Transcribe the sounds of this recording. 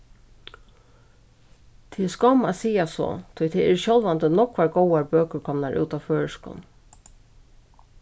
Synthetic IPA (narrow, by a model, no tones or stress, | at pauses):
t̪ʰiːskɔmasiːasɔ̰t̪ʰʊjt̪ʰɛɛɹʃɔlʋant̪ənɔkʋaɹɡɔwaɹbøːkəɾkʰɔmnaɹʔʉ̰ːt̪aføːɹəʂkʊ̰n